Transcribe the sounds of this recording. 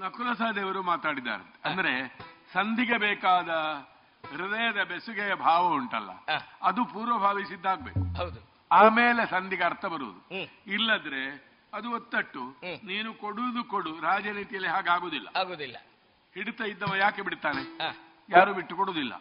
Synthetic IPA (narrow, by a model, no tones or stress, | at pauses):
nɐkulɐsaːd̪ɛːʋɐɾumaːt̪aːɽid̪a̰ːɾɐ̰nt̪e̥ɐnd̪ɐɾe̞sɐnd̪ʱiɡebeːkaːd̪ɐ | ɾid̪ɐjɐd̪ɐbesuɡejɐbʱaːʋɐuɳʈɐ̰lːɐ̰ɐd̪upuːɾʋɐbʱaːʋisid̪ːaːɡ̚beːkuɦɐwd̪u | aːmeːle̞sɐnd̪ʱiɡeɐɾt̪ʰɐbɐɾṵʋṵd̪uilːɐd̪ɐɾe̞ | ɐd̪uot̪ːɐʈːuniːnukoɽud̪ukoɽuɾaːd͡ʒɐniːt̪ijɐlːiɦaːɡaːɡoːd̪ilːɐ̰aːɡoːd̪ilːɐ | hiɽut̪ɐjid̪ːɐʋɐjaːkebiɽt̪aːne | jaːɾuːbiʈːukoɽoːd̪ilːɐ̰